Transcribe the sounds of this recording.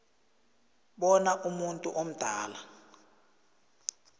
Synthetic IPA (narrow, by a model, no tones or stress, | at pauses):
ɓɔnaʔumuntʼṵʔom̩d̥ʱaːla